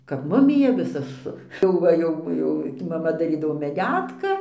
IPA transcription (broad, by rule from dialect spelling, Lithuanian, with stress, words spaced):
kɐp ˈmʊmʲɪjɛ ˈʋʲɪsɐ sʊ jɛʊ ˈʋɐ ˈjɛʊ ˈjɛʊ mɐˈmɐ dɐˈrʲiːdɐʋoː mʲɛˈdʲæːtkɐ